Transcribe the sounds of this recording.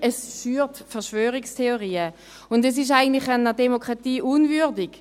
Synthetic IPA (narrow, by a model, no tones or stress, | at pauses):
ɛsfyːʁtfɛɐʁʃvøːʁɪkstʰeoʁiːə | ʊndɛs̬ɪʃ̬aɪɡən̩tlɪχanədemokʁatiːʔunvyʁdɪɡ̥